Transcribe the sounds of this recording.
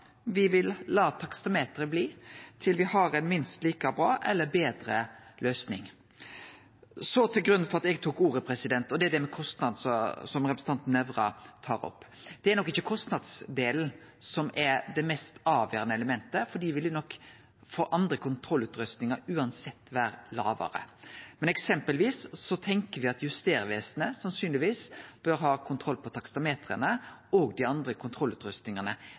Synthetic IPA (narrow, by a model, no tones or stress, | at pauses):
ʋɪʋɪlːɑːt̪ʰɑkst̪ɑmeːt̪əɾəbliːt̪ʰɪlʋɪhɑɾɛɪnmɪnst̪liːkɑbɾɑːʔɛlːəbeːd̪ɾəløːsnɪ̰ŋ | sɔt̪ʰɪlɡɾʉnːfɔʁɑt̪ɛɡt̪ʰuːkuːɾəpʰɾɛsɪd̪ɛnt̪ɔd̪ɛæd̪ɛmɛkʰɔst̪nɑd̪n̩sɔsɔmɾɛpɾəsn̩ɑnt̪n̩ɛʋɾɑ̰t̪ʰɑːɾɔ̰pːd̪̥ɛæɾnɔkːɪçːəkʰɔst̪nɑd̪sd̪eːln̩ | sɔmʔɛɾd̪ɛmɛst̪ɑːʋjø̰ːɾənəɛləmɛnt̪əfɔɖiːʋɪldɪnɔkː | foːʔɑnd̪ɾəkʰʊnt̪ʰɾɔlːʉːt̪ɾʉst̪nɪŋəɾʉːɑnsɛt̪ːʋæːɾəlɑːʋə̰ɾə̰mɛnɛksɛmpəlʋiːsːɔt̪ʰɛŋkəɾʋɪɑt̪jʉst̪eːɾʋeːsənəsɑnsyːnlɪʋiːsb̥œɾɦɑːkʰʊnt̪ʰɾɔlːpʰɔt̪ʰɑkst̪ɑmeːt̪ɾə̰nəɔːɡd̪ɪɑnd̪ɾəkʰʊnt̪ʰɾɔlʉːt̪ɾʉst̪nɪŋənə